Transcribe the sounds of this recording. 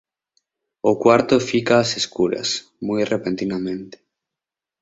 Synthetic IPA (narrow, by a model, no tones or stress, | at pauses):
okwaɾt̪ofikaːseskuɾa̰s | mujrepent̪inamẽnt̪e̥